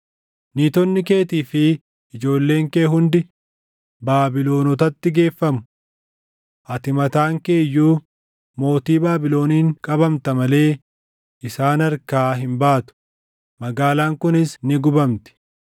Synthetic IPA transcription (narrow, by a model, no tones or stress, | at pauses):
niːt̪ɔnːɪke̞ːt̪iːfɪː | d͡ʒo̞ːlːe̞ːŋkeːɦʊnd̪ɪ | baːbɪlo̞ːnɔt̪ɐt̪ːɪɡe̞ːfːɐmʊ̥ | ʔɐt̪ɪmɐt̪aːŋke̞ːjːuː | mo̞ːt̪iːbaːbɪlo̞ːniːŋkʼɐbɐmt̪ɐmɐle̞ː | ʔɪsaːnɐɾkaːɦɪmbaːt̪ʊ̥ | mɐɡaːlaːŋkʊnɪsnɪɡʊbɐmt̪ɪ̥